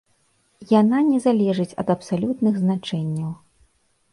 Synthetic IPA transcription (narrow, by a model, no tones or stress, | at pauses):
jananʲɛzalʲɛʐɨt͡sʲɐ̰d̪ɐpsalʲut̪nɨɣznat͡ʂɛnʲːɐw